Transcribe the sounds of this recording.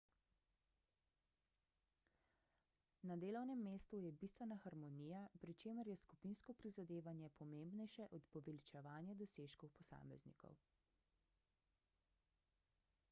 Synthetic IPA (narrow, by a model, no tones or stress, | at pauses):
nad̪eːlɔwnɛmːeːst̪ujɛbist̪ʋɛnaxaɾmɔniːjapɾit͡ʃeːməɾjɛskupinskɔpɾizad̪eːʋanjɛpʰɔmembnɛjʃɛʔɔt̪pɔʋɛlit͡ʃɛʋaːnjɛd̪ɔseːʃkɔwpɔsa̰ːmɛ̰znḭkɔ̰w